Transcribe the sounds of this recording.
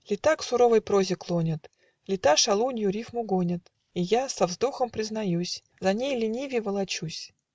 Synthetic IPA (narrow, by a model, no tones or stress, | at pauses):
lʲɪt̪aksʊɾo̞vɨjpɾozʲɪklˠonʲɪt̪ | lʲɪt̪aʂɐlˠunʲjʊɾʲifmʊɡonʲɪt̪ | ijasɐvzd̪oxəmpɾʲɪznɐjusʲ | zɐnʲejlʲɪnʲivʲjɪvəlˠɐt͡ɕusʲ